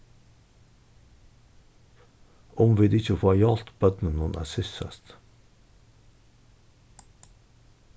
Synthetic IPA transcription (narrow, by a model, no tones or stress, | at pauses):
ɔmʋɪd̪ɪçəfoːæɪɑlt̪b̥œd̪nənʊnʔæ̰ːsɪsə̰st̪